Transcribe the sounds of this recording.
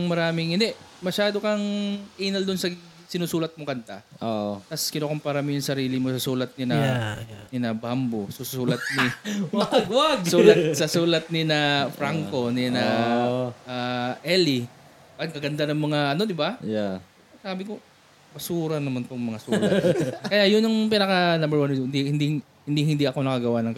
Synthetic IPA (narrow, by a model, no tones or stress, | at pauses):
ŋmɐɾaːmɪŋʔɪnd̪ɛʔ | mɐʃaːd̪o̞kɐŋʔijnɐld̪onsɐ | sɪnuːsuːlɐt̪̚mokɐnt̪aʔʔot̪ɐskɪnokompaɾɐmɪjʊŋsɐɾiːlɪmo̞sɐsuːlɐt̪̚nɪnɐnɪnɐbambosʊsuːlɐt̪̚nɪɐɡwaɡsuːlɐsɐsuːlɐt̪̚nɪnɐfɾaŋko̞nɪnɐ | ʔaʔɛli | pɐɡ̚kɐɡɐnd̪anɐŋmɐŋaʔɐno̞d̪ɪbaja | ɐsaːbɪko | mɐsuːɾɐnɐmɐnt̪oŋmɐŋasulɐt̪kɐjajʊnjʊŋpɪnɐkɐnɐmbɛwannd̪ihɪnd̪iŋ | hɪnd̪ihɪnd̪iɐko̞nɐkɐɡɐwanɐŋk